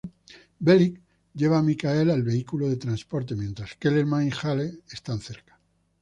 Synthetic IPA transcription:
belik̚ | ɟ͡ʝe̞βamikae̞lalβe̞ikuloðe̞t̪ɾanspoɾt̪̬e̞mjẽ̞nt̪ɾaske̞lelmãĩxaleest̪anθeɾkḁ

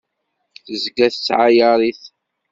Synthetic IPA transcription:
θəzɡæθət͡sːʕajəɾˤiθ

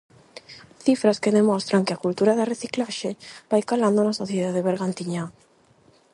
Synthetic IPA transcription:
θifɾaskeðemɔst̪ɾaŋkɪakult̪uɾaðɐreθiklaʃeb̥ajkaland̪onasoθjeðaðeβeɾɣant̪iɲa

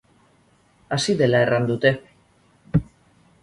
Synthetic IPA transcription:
asiðe̞lae̞rʔand̪ut̪e̞

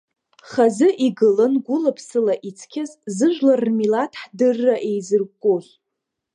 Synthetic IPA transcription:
χazɨʔiɡɨlɨnɡʷʊlapʰsɨlaʔit͡sʰkʲʰazzɨʒʷlarːmilatʰħdɨrːaʔejzɨrɡʷkʷʼoz

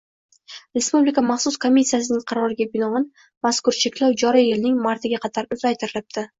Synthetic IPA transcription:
ɾe̞spublikamaχsʊskʰomʲːisːijas̬ɪnɪŋqʰɑɾɒɾɪɡʲabɪnɒɪn | maskʊɾt͡ʃʰe̞kʲlawd͡ʒɒɾijɪlnɪŋmaɾt̪ɪɡʲaqʰɑt̪ʰaɾʊzajt̪ʰɪɾɪlɪp̚t̪ʰɪ

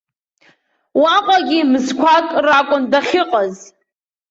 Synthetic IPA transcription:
waqʷʼaɡʲimɨzkʷʰakʼrakʷʼʊndaχʲɪqʼaz

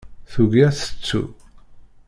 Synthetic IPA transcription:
θuɣæθə̥t͡sːṵ

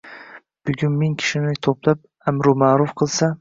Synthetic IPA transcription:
b̥ʊɡʲʊnmɪŋkʲʰɪ̥ʃɪnɪt̪ʰoplap̚ | amɾʊmaːɾʊfqʰɨlˠsa

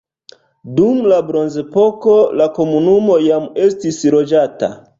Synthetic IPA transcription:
dumlabɾo̞nze̞po̞ko̞lako̞munumo̞jame̞stisɾo̞d͡ʒata̰

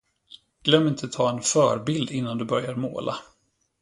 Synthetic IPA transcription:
ɡ̥lœmːɪnt̪ʰət̪ʰɑːɛnfœːɾbɪld̪ɪnːand̪ɵbœɾjaɾmo̰ːlʔa̰

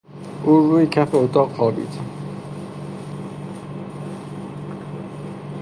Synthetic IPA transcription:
ʔuːɾuːjecʰæfeot̪ʰɒːqxɒːbḭːt̪ʰ

